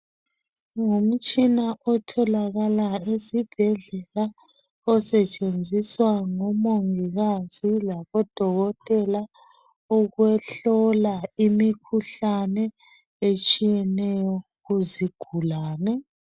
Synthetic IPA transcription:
ŋom̩t͡ʃʼinaʔɔtʰɔlaɣalaesib̥ʱɛɮɛla | ɔsɛt͡ʃʼend͡zʱiswaŋɔmoŋiɣaz̥ilaβɔd̥ʱɔɣɔtʼɛla | ɔɣwɛɬɔlaimikʰuɬanɛ | et͡ʃʼijɛnɛjɔ | ɣuziɡ̥ʱulaːnɛ

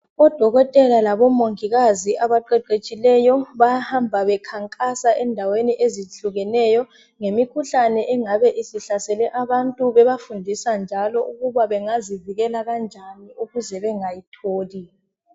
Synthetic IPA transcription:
ɔd̥ʱɔɣɔtʼɛlalaβɔmoŋiɣaziʔaβaǃɛǃet͡ʃʼilɛjɔβajahambʱaβɛkʰaŋkʼasaʔɛndʱaweniʔeziɬuɣɛnɛjɔ | ŋemikʰuɬanɛʔɛŋaβɛʔisiɬasɛlɛʔaβantʼuβɛβafundʱisand͡ʒʱalɔʔuɣuβaβɛŋaziviɣɛlaɣand͡ʒʱaniuɣuzɛβɛŋajitʰoːli

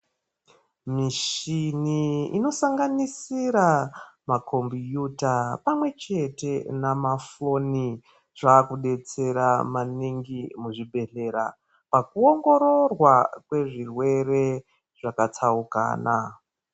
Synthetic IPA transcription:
miʃiniḭno̞saŋɡanisiɾamakʰo̞mbijutapamwe̞t͡ʃe̞te̞namafo̞ni | ʐaːkuɗe̞t͡se̞ɾamaniŋɡimuʐibe̞ɬe̞ɾa̰ | pakuo̞ŋɡo̞ɾo̞rwakwe̞ʐirwe̞re̞ | ʐakat͡sauka̰ːna

